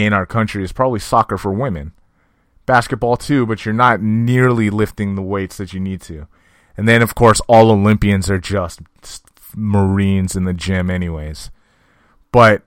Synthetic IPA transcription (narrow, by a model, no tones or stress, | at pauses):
ɪ̃ɾ̃aʊə˞kʰʌ̃nt͡ʃɹ̥iɨz̥pʰɹ̥ɑbəblisɑkə˞fə˞wɪ̃mɨ̃n | b̥æskɨt̚b̥ɔlˠtʰʉbʌt͡ʃə˞nətⁿnɪɹlˠilɪftɪ̃ŋðəweɪtsðɨt͡ʃɨnid̚tʰʉ | ɨ̃nðɨ̃nʌv̥kʰɔɹsɔlˠoʊlɪ̃mpiɨ̃nzə˞d͡ʒʌst̚ | s | mə˞ĩnzɨ̃nðɨd͡ʒɪ̃mɛñiweɪz̥ | b̥ʌt̚